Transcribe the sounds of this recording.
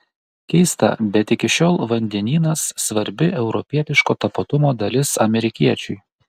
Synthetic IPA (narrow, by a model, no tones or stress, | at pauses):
kʲɛɪst̪ɐ̰bʲɛt̪ɪkʲɪʃʲoːlˠʋɐnʲd̪ʲɛnʲiːnɐsːʋɐɾʲbʲɪʔɛʊɾɔpʲiɛt̪ʲɪʃkoːt̪ɐpɐt̪ʊmoːd̪ɐlʲɪsɐmʲɛɾʲɪkʲiɛt͡ʃʲʊɪ